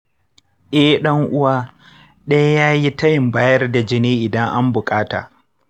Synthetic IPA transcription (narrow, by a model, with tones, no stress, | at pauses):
ʔɛ˦ɗɐ˦ŋʔʊ˦waː˦ | ɗɐ˦jjaː˦ji˦tɐ˦jɪ˨mbaː˦jɐ˦rda˨d͡ʒɪ˦neː˦ʔɪ˨dɐ˦ŋʔa˦mbʊ˨kʼaː˦ta̰ː˨